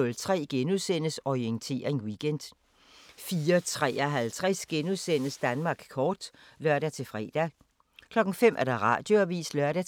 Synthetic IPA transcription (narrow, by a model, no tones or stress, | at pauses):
ɔ̽lt͡sʰʁɛ̰ːɡ̥enuðˠsen̰əsɒient͡sʰe̝̰ːɐʁeŋwiɡ̥en̰d̥ | fiːɐt͡sʰʁɛ̰ːɐɦælt͡sʰʁɛsɡ̥enuðˠsen̰əsd̥ænmɑ̈ːɡ̥kʰɒːd̥ | lɶɐɾ̥æt͡sʰe̝fʁɛ̰ːd̥æ | kʰlɒ̽ɡ̥ŋ̩fem̰ʔæɐd̥ɑ̈ʁɑ̰̈ːd̥jo̝æʋḭːslɶɐ̰ɾ̥æ